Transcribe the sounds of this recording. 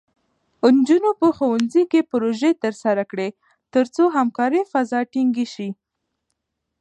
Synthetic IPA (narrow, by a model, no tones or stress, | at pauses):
nd͡ʒunopəxowanzikepɾoʒet̪əɾsaɾakɽe | t̪əɾt͡soɦamkɑɾifazɑʈiŋɡiʃi